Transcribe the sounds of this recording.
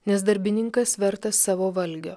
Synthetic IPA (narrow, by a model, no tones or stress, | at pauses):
nʲɛsd̪ɐɾʲbʲɪnʲɪŋkɐsʋʲɛɾt̪ɐssɑːʋoːʋɐlʲɡʲoː